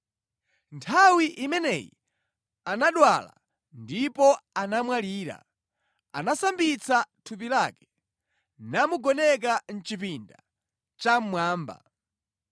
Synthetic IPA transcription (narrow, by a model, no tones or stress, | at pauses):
ntʰawiʔimɛnɛ̰jḭ | anaɗwala̰ | ndipɔanamwaliːɾa̰ | a̰nasambit͡satʰup̬ilaːkɛ̥ | namuɡɔnɛk̬an̩t͡ʃipinda̰ | t͡ʃam̩mwaːmba̰